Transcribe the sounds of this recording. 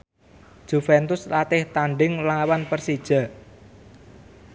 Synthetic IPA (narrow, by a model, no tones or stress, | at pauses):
d̥ʒ̥ufɛnt̪ʊslat̪ɪht̪aɳɖɪŋlawanpərsid̥ʒ̥a̤